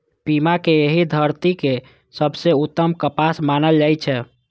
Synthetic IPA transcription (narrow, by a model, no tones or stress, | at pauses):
pimakeeɦid̪ʱəɾt̪ike | səbseut̪ːəmkəpasmanəld͡ʒajt͡ʃʰɛ